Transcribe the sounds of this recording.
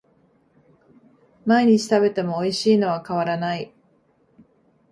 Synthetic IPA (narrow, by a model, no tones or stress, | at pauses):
maeɲ̟it͡ɕi̥t̪abe̞t̪e̞mo̞ːiɕiːno̞β̞akaβ̞aɾanai